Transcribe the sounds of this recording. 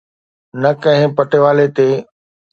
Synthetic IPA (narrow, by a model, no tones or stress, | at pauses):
nɐkɐ̃ɦɪ̃pɐʈeʋaːlet̪e